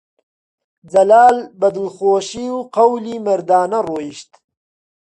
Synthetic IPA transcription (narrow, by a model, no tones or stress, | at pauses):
d͡zɐlaːlbɐd̪ɨlxoːʃiːwqɐwliːmɐɾd̪aːnɐroːjiʃt̪